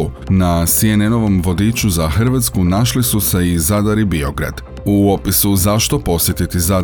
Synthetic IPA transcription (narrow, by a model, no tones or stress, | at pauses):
nasieneno̞ʋo̞mʋo̞d̪it͡ɕuzaxr̩ʋat̪skunaʃlisuse̞izad̪aɾibio̞ɡɾa̰d̪̥ | uo̞pisuzaʃt̪o̞po̞sjet̪it̪iza